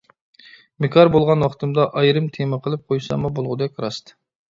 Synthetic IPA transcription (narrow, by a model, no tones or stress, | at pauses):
mekʰɑɾbolˠʁɑnwɑχt̪ʰɨmd̪ɑʔɑjɾɨmt̪ʰemɨqʰəlˠɨp̚qʰojsɑ̰mubolˠʁʊd̪ɛkʲɾɑst̪ɨ̥